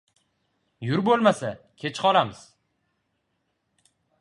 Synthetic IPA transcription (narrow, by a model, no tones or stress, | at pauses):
jʊɾbolˠmasa | kʲʰet͡ʃʰqʰɒlamɪz̥